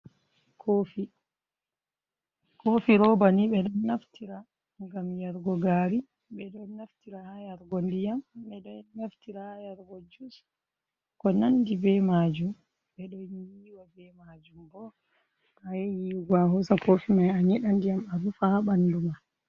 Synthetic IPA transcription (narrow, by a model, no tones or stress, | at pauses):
kʰofi | koːfiɾɔbaniɓɛɗɔnːaftiɾa | ŋɡamjaɾɡɔɡaɾi | bɛɗɔnːaftiɾahajaɾɡɔndijamɓɛɗɔnaftiɾajaɾɡɔd͡ʒus | kɔnandibɛmad͡ʒum | bɛɗɔjiːwabɛmad͡ʒumbɔ | ɓajɛjiɡwahusakofimajaɲɛɗandijamaɗufaɓanduma